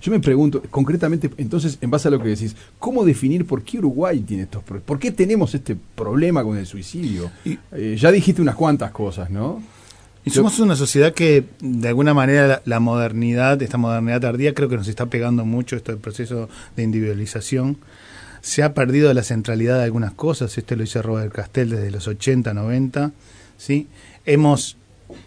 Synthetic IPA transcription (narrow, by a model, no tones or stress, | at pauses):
ʒ̥o̞me̞pɾeɣunt̪oko̞ŋkɾet̪̬amẽnt̪eent̪o̞ns̬esembasealo̞keðes̬is | ko̞mo̞ðefiniɾpo̞ɾkeuɾuɣwajt̪jeneest̪ospɾopo̞ɾke̞t̪enemosest̪epɾo̞β̞lemako̞ne̞lswisiðjoeʒaðixist̪eunakwant̪asko̞sasnõ | isomosunas̬o̞sjeðaked̪ealɣunamaneɾaalamo̞ð̞eɾniðaðest̪amo̞ðerniðaðaɾðiakɾe̞o̞k̬enos̬e̞st̪ape̞ɣand̪o̞mut͡ʃo̞est̪oðelpɾose̞so̞ðeind̪iβiðwalisasjo̞n | seapeɾð̞ið̞o̞lase̞nt̪ɾalið̞aðealɣunasko̞sasest̪oloiseroβeɾkast̪e̞ld̪e̞ðelo̞so̞t͡ʃe̞nt̪ano̞β̞e̞nt̪a | si | emo̞s